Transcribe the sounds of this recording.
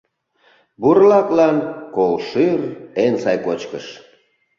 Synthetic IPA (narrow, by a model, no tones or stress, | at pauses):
buɾlɑklɑnkolʃyrensɑjkot͡ɕkəʃ